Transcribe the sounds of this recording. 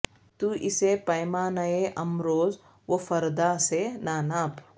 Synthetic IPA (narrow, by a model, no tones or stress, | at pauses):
t̪uʔisepɐjmaːnaeʔɐmɾoːz | ʋofɐɾd̪aːsenaːnaːp